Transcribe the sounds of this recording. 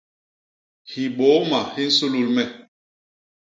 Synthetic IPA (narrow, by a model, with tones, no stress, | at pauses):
hi˨ɓo˨˦ma˨hi˦n̩˦su˦lu˦lmɛ˦˨